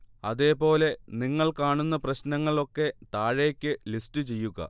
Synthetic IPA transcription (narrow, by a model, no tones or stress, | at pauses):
ɐðe̞ːpo̞ːle̞niŋːɐɭkaːɳunːɐprɐɕnɐŋːɐɭo̞kːe̞t̪aːɻe̞ːkʲːɨlistɨt͡ɕe̞jːuɣɐ̰